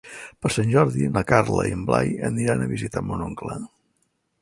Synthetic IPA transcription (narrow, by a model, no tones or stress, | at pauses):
pəɾsanʲʒɔɾðinəkaɾləiəmbla̰jəniɾanəβizit̪əmonoŋklə